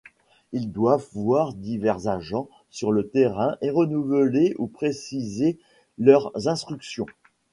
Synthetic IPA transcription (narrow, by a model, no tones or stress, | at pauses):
ild̪wavvwaʁd̪ivɛʁzaʒɑ̃ | syʁlət̪eʁɛ̃ʔeʁənuvəleʔupχesize | lœʁzɛ̃st̪χyksjɔ̃